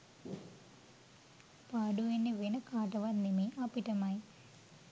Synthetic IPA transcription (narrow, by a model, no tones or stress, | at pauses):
paːɖuinːiʋenɐkaːʈɐʋɐnimiʔaːpiʈɐmaːji